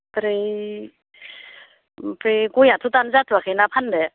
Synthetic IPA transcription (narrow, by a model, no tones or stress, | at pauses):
pɾi | pɾeɡojat̪ʰutanzatʰuakʰenapʰandɛ